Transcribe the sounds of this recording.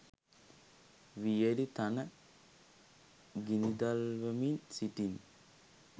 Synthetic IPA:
ʋijəlit̪anə | ɡinid̪alʋəminsiʈin

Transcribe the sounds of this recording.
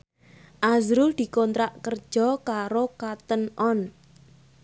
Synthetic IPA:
ʔazɾʊld̪̥i̤kɔnt̪ɾaʔkərd̥ʒ̥ɔ̤kaɾokat̪ənʔɔn

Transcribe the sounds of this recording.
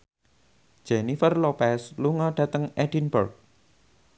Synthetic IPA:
d͡ʒ̥enifərlɔpɛsluŋɔɖ̥ä̤t̪əŋʔɛɖ̥inbərk̚

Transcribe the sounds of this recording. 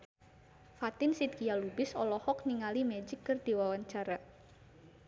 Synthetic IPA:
fat̪ɪnsid̪̚ɡijalubɪsɔlɔhɔkniŋalimed͡ʒɪkːərd̪̥iwawaɲt͡ʃaɾa

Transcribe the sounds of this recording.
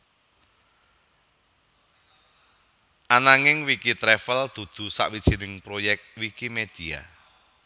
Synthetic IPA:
ʔanaŋɪŋwikit̪ɾɛfəld̪̥ṳd̪̥ṳsa̰ʔwid̥ʒ̥i̤nɪŋpɾojɛk̚t̪̚wikimed̪̥ia̰

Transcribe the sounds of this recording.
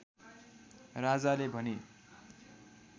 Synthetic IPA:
rad͡zalebʱʌne

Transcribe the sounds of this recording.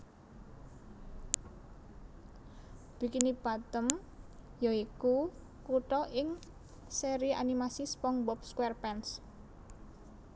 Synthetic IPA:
b̥i̤kinipat̪əm | jɔiku | kuʈɔʔɪŋ | seɾia̰nimasispɔŋbɔp̚skwɛrpɛns

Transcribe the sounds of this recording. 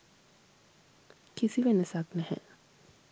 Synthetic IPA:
kisiʋenəsaknɛhɛ̰

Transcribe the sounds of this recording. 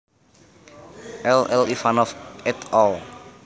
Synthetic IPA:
ʔɛlɛlifanɔfɛt̪ɔl

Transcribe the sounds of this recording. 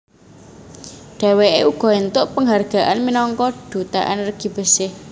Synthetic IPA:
ɖ̥a̤weʔeuɡ̥ɔ̤ent̪ʊʔpəŋɦarɡ̥a̤ʔanminɔŋkɔɖ̥ṳt̪a̰ʔa̰nrɡ̥i̤b̥ə̤sɪh

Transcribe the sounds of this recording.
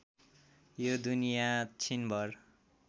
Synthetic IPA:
jod̪unijat͡sʰinbʱʌr

